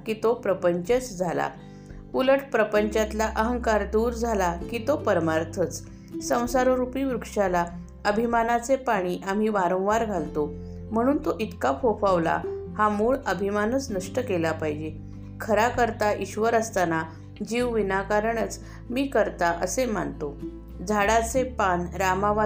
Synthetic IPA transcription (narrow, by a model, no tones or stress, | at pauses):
kiːt̪opɾəpəɲt͡ɕət͡sd͡zʱala̰ | uləʈʰpɾəpəɲt͡ɕat̪laʔəɦəŋkaɾd̪uːɾd͡zʱalakit̪opəɾmaɾt̪ʰət͡s | sə̃w̃saɾoɾupiʋɾukʂala | əbʱimanat͡sepaɽ̃iʔam̤iʋaɾõw̃ʋaɾɡʱalt̪o | m̤əɽ̃uːnt̪oʔit̪kapʰofaʋla̰hamuːɭəbʱimanət͡snəʂʈəkelapaɦid͡ʑe | kʰəɾakəɾt̪aʔiɕʋəɾəst̪ana | d͡ʑiʋʋinakaɾəɳət͡s | miːkəɾt̪aʔəsem̤ant̪o | d͡zʱaɽat͡sepanɾamaʋa